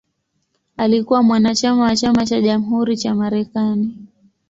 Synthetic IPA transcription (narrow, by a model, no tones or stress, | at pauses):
alikuwamwanat͡ʃamawat͡ʃamat͡ʃaʄamuɦuɾit͡ʃamaɾɛkani